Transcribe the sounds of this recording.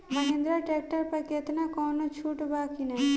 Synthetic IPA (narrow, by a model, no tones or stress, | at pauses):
mɐɦẽnd̪ɾaʈeːk̚ʈəɾpɐɾket̪nakɔːnot͡ʃʰuːʈbaːkinaɦi